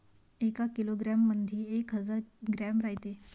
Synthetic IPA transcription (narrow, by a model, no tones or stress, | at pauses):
ekakiloɡɾamːənd̪ʱiːekɦəd͡zaɾɡɾæmɾaɦjt̪e